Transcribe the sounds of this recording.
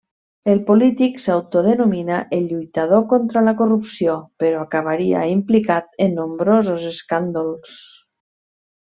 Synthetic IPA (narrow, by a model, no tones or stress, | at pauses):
elˠpolit̪iksawt̪oðənuminaʔeʎujt̪að̞okont̪ɾələkorupsiopeɾɔakaβ̞aɾia̰implikat̪enːombɾozozeskand̪olˠs